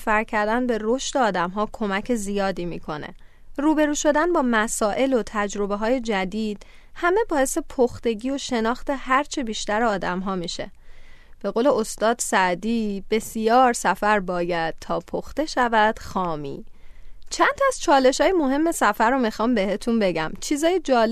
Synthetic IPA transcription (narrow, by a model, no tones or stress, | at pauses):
fæɾcʰæɾd̪ænbe̞ro̞ʃt̪eɒːd̪æmɦɒːkʰo̞mæcʰe̞zijɒːd̪iːmiːkʰo̞nḛ | ruːbe̞ɾuːʃo̞d̪ænbɒːmæsɒːʔe̞lo̞t̪ʰæd͡ʒɾo̞be̞ɦɒːje̞d͡ʒæd̪iːd̪̥ | hæme̞bɒːje̞sepʰoxt̪e̞ɟiːo̞ʃe̞nɒːxt̪e̞hæɾt͡ʃʰebiːʃt̪æɾeɒːd̪æmɦɒːmiːʃe̞̰b̥e̞ɣoːle̞ost̪ɒːd̪sæʔd̪iːb̥e̞sijɒːɾsæfæɾbɒːjæd̪̥̚t̪ʰɒːpʰoxt̪e̞ʃævæd̪̥xɒːmḭːt͡ʃʰænt̪ʰæz̥t͡ʃʰɒːle̞ʃɒːjemo̞ɦe̞mːe̞sæfæɾomixɒːmbe̞he̞t̪ʰunbe̞ɟæ̰mt͡ʃʰiːzɒːjed͡ʒɒːl